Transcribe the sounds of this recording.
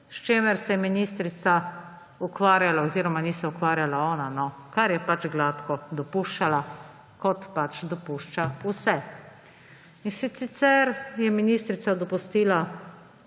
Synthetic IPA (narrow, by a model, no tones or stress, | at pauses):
ʃt͡ʃemɛɾsɛjɛminist̪ɾit̪sa | ukʋaːɾjalaɔziːɾɔmanisɛukʋaːɾjalaɔːnanɔkaɾjɛpat͡ʃɡlaːt̪kɔd̪ɔpuʃt͡ʃala | kɔt̪pat͡ʃd̪ɔpuʃt͡ʃausɛ | insit̪sit̪sɛɾjɛminist̪ɾit̪sad̪ɔpust̪iːla